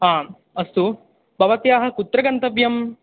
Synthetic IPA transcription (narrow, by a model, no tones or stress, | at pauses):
ɦãː | ɐst̪u | bɐʋɐt̪jaːɦɐ̆kut̪ɾɐɡɐnt̪ɐʋjɐm